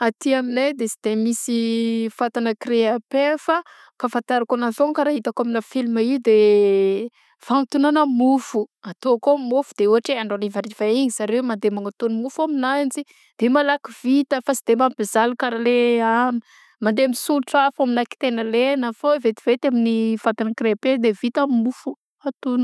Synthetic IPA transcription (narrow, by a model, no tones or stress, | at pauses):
at̪iaminejd̪esid̪̥emisifat̪anəkɾeapefə | kafant̪aɾakonazoŋkaɾaɦit̪akaminafilimaiud̪e | faŋt̪unanəmufuat̪okomufud̪̥euɦaʈ͡ʂeaɳɖ͡ʐonivaɾiv̥aiɲisaɾemand̪emaŋat̪unimufaminand͡zi | d̪̥emalakiv̥it̪əfasid̪̥emamib̥ezalukaɾaleani | mand̪eamisuluʈ͡ʂafaminaki̥t̪enəlenafoevet̪ivet̪aminifat̪anəkreped̪evit̪amufu | at̪un